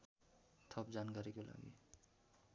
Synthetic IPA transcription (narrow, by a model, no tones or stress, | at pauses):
t̪ʰʌpd͡zankaɾikola̰ɡḭ